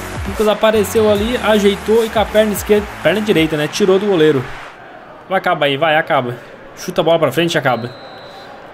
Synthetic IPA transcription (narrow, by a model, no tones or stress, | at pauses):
ĩkozapaɾesewaliaʒejt̪oɪkapɛɾnɐɪskeɾd̪pɛɾnɐd͡ʒiɾejt̪ɐnɛt͡ʃiɾod̪ʊɡoleɾʊ | vajakabɐivajakabɐ | ʃut̪ɐbɔlɐpɾɐfɾẽt͡ʃɪakabɐ